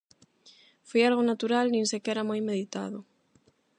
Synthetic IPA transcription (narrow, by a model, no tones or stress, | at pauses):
fojalɣonat̪uɾalnĩnsekɛɾamojmeðit̪a̰ðʊ